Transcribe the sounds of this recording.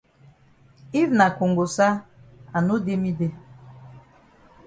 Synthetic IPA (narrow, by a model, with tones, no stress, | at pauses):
i˦vna˨ko˨ŋɡo˨sa˦a˨nu˦de˦mi˦de˦